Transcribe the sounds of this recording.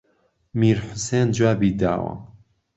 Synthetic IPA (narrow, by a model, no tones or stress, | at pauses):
miːɾħʊsend͡ʒwaːbiːd̪a̰ːwɐ̰